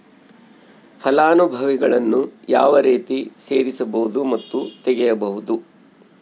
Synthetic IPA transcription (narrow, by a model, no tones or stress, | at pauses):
pʰɐlaːnubʱɐʋiɡɐɭɐnːuja̰ːʋɐɾeːt̪ise̞ːɾisɐbɐɦud̪umɐt̪ːut̪ɛɡɛjɐbɐɦud̪u